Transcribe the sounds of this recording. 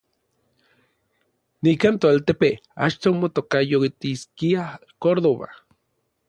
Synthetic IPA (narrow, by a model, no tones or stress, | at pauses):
nikaːnt̪oalt̪epea̰t͡ʃt̪omot̪okajot̪iskia | koɾðoβa̰